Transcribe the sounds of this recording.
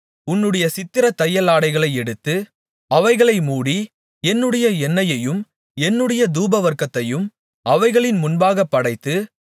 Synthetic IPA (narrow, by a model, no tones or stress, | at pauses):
ʊnːɯɽɐjɐsɪt̪ːɪɾɐt̪ːɐjːɐlaːɽɐɪɣɐɭɐɪɛɽɯt̪ːɯ | ɐʋɐɪɣɐɭɐɪmuːɽi | ɛnːɯɽɐjɐɛnːɐjɐjɯm | ɛnːɯɽɐjɐd̪uːbɐʋɐɾkːɐt̪ːɐjɯm | ɐʋɐɪɣɐɭɪnmʊnbaːɣɐpːɐɽɐɪt̪ːɯ